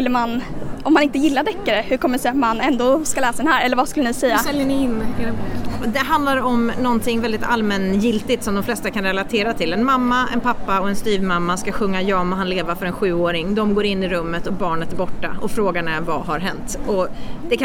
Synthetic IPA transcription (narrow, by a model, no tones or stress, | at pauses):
lːəmanʔɔmːanɪnt̪əjɪlːad̪ɛkːaɾəhɵɾkʰɔmːəsɛat̪manɛnd̪oːskalɛːsad̪ɛnɦæːɾɛlːəɾvaskɵlːənɪsɛjːasɛljənɪɪnːɪlɛd̪ɛɦand̪laɾɔmnɔnt̪ʰɪŋːvɛld̪ɪt̪a̰lmɛnjɪlt̪ɪt̪sɔmd̪ɔmflɛst̪akʰanɾɛlat̪ʰeːɾat̪ʰɪlɛnmamːaɛ̰npʰapːaɔɛnst̪yːvmamːaskaɧɵŋːajɑːmɔɦanleːvaɾfœɾɛnɧʉ̟ːoːɾɪŋd̪ɔmɡoːɾɪnːɪɾɵmːət̪ɔbɑːɳət̪æɾbɔʈːa̰ɔfɾoːɡaɳɛɾvaɦaɾɦɛnt̪ɔd̪̥ɛkʰ